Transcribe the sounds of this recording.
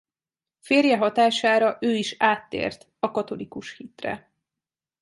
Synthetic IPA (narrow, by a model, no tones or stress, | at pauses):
feːrjɛɦɒt̪aːʃaːɾɒʔøːiʃaːt̪ːḛːrt̪ | ɒkɒt̪o̞likuʃhiːt̪rɛ̰